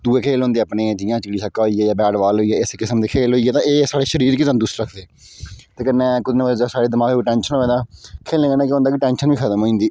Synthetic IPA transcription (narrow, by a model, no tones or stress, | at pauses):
d̪uːeːkʰeːlɦõːnd̪eːaːpneːd͡ʒiːjãːt͡ʃɪkɽiːsʰəkːaːɦoːiːɛːjaːbɛːɖʋaːlɦoːiːɛːɪskɪsəmd̪eːkʰeːlɦoːiːɛːt̪ãːeːsaːɽeːʃəɾiːɾkɪsəmd̪ʊsɾəkʰd̪eː | t̪eːkənːẽkʊd̪nẽalːd͡ʒaːsaːɽeːd̪əmaːkeːʈɛ̃ːnʃənɦoːẽːd̪ãːkʰeːlẽːkənːkjõːnd̪aːkɪʈɛːnʃənʋiːkʰəd̪əmɦoːĩːnd̪iː